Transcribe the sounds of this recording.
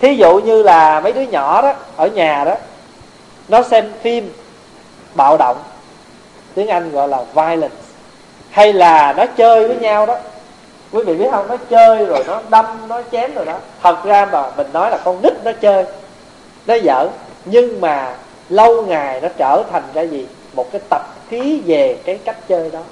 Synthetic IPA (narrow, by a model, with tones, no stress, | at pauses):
t̪ʰi˨˦zṵ˧˨ɲɨ˧laː˨˩mə˨˦jɗɨ˨˦əɲɔ̰˧˩˨ɗɔ˨˦ʔəː˧˩ɲaː˨˩ɗɔ˨˦ | nɔ˨˦sɛ˧mfi˧m | ɓa̰ː˧˨wɗə̰˧˨wŋ͡m | t̪i˨˦˥əŋʔa˧jŋɣɔ̰˧˨jlaː˨˩vaː˧jlə˨˩ns | ha˧jlaː˨˩nɔ˨˦t͡ɕəː˧jvəː˨˦jɲaː˧wɗɔ˨˦ | kwi˨˦vḭ˧˨ɓi˦˥ət̚hə˧wŋ͡mnɔ˨˦t͡ɕəː˧jzo˨˩jnɔ˨˦ɗə˧mnɔ˨˦t͡ɕɛ˨˦mzo˨˩jɗɔ˨˦t̪ʰə˨˩k̚zaː˧maː˨˩mï˨˩ŋ̟nɔ˨˦jlaː˨˩kɔ˧nɗï˦˥k̚nɔ˨˦t͡ɕəː˧j | nɔ˨˦zə̰ː˧˥˩ɲɨ˧ŋmaː˨˩ | lə˧wŋa˨˩jnɔ˨˦t͡ɕəː˧˩t̪ʰa˨˩jŋ̟zaː˧zi˨˩ | mo˨˩t̚kaː˨˦jt̪ə˨˩p̚xi˨˦ve˨˩kaː˨˦jka˦˥jk̟̚t͡ɕəː˧jɗɔ˨˦